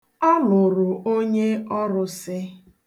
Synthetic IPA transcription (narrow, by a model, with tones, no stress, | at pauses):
ɔ˦lʊ˨ɾʊ˨ʔo˦ɲe˦ɔ˦ɾʊ˦sɪ˦